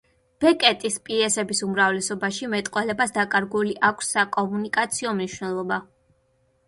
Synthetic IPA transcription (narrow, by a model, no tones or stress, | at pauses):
b̥ɛkʼɛt̪ʼispʼiɛsɛbisumɾavlɛsɔbaʃimɛt̪ʼqʼwɛlɛbasd̪akʼaɾɡuliʔakʷʰsːakʼɔmunikʼat̪sʰiɔmniʃwnɛlˠɔba